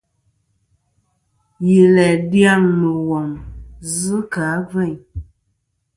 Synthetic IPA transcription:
ji˨lɛ˨dja˦˨ŋnu˨wɔ˨ŋz̩˦ka˨˦vɛ˦˨ɲ

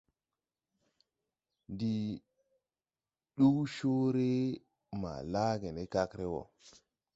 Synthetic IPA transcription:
di˨ | ɗu˦ʃo˦ɾe˦ | ma̰˨la˦ɡe˨ne˦ka˦kɾe˦wo̰˨

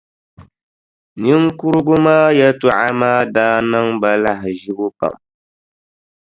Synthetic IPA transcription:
ni˦ŋ˦kʊ˦ɾʊ˦ɡʊ˦maː˦ja˦tu˨ʔa˦maː˦daː˦na˦ŋba˨la˦ɦɪ˨ʒi˦ɡʊ˦pa̰˦˨m

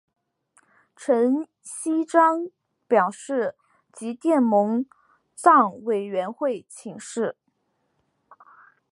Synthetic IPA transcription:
ʈ͡ʂʰə˧˥n | ɕi˥ʈ͡ʂɑ˥ŋ | pjɑ˨˩ʊʂɻ̩˥˩ | t͡ɕi˧˥t̪jɛ˥˩nmʊ˧˥ŋ | t͡sɑ˥˩ŋwe˨˩ɪɥɛ˧˥nxwe˥˩ɪt͡ɕʰi˧˩˥ŋʂɻ̩˥˩

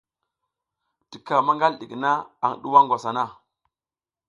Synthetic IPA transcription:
ti˨ka˨ma˦ŋɡa˦lɗḭ˨kna˦a˨ŋ˨ɗu˦wa˦ŋɡʷwa˨sa˨na˦˨

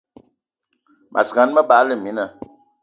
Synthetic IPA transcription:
mʔa̰˨sa˨˦n˦mə˦baː˨˦lə˦˨mi˨˦nə˨

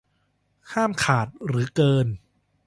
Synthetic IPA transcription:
kʰaː˥˩mkʰaː˨˩t̪̚ɾɯː˩˦kɤː˧n

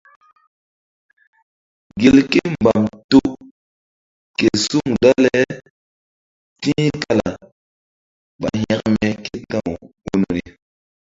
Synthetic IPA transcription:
ɡe˨lke˦m˨ba˨mto˦ | ke˨su˦ŋda˦le˦ | tĩ˦ka˦la̰˨ | ɓa˨ɦɛ̃˦kmɛ˦ke˦tã˦˨wu˦no˨ɾi˨

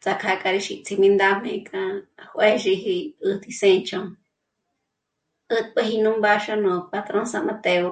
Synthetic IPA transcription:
t͡sa˧kʰa˧kʼa˧ɾi˧ʃi˧ʔt͡sʰi˧mĩ˧nd̪a˧m̥ẽ˧kʰʼã˧hʷʔe˦ʃi˧ɦi˧ɨ˧t̪i˧sẽ˧nt͡ʃʰõ˧ŋ | ɨ˦t̪pɨ˦ɦi˧nũ˦mba˧ʃa˦nũ˨˧pa˧t̪ɾõ˦nsã˧mã˧t̪e˧o˧

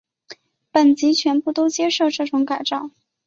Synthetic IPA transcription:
pə˨˩nt͡ɕi˧˥t͡ɕʰɥɛ˧˥npu˥˩t̪o˥ʊt͡ɕjɛ˥ʂo˥˧ʊʈ͡ʂɤ˥˩ʈ͡ʂʊ˨˧˥ŋka˨˩ɪʈ͡ʂɑ˥˩ʊ

